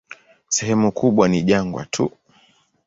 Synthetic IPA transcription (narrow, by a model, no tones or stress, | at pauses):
sɛɦɛmukʰuɓwaniʄaŋɡwa̰tʰu